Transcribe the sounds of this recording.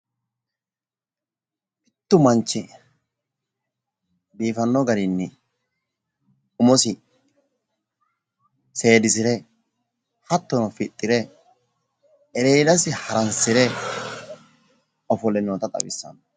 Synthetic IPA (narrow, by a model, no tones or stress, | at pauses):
ʔɪt̪ːʊmɐnt͡ʃːɪ | biːfɐnːɔɡɐɾɪnːɪ | ʊmɔsɪ | se̞ːd̪ɪsɪɾɛ | hɐt̪ːɔnɔfɪt̪ʼːɪɾɛ | ɛɾejd̪ɐsɪhɐɾɐnsɪɾɛ | ɔfɔlɛnoːt̪ɐt̪ʼɐ̰wɪ̰sːɐ̰n